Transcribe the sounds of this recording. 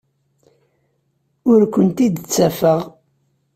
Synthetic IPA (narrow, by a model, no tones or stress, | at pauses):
ʊɾkʷənt̪id̪t͡sːæfəʁ